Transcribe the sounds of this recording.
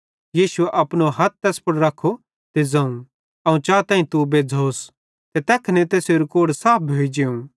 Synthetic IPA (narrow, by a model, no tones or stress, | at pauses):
jiːʃʊeʔɐpñoɦɐt̪̚t̪ɛːspʊɽɾɐkʰːo | t̪ed͡zɐ̃ũ | ɐũt͡ʃaːt̪ãːĩt̪ubed͡zʱoːs | t̪et̪ɛːkʰnet̪eːsjoɾokoːɽsaːp̚ʰbʱoːid͡ʒeũ